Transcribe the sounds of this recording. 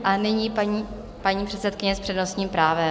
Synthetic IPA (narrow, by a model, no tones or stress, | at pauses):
ʔanɪɲiaɲi | paɲiːpr̥ɛt̪sɛt̪kɪɲɛspr̥ɛdnosɲiːmpɾaːvɛ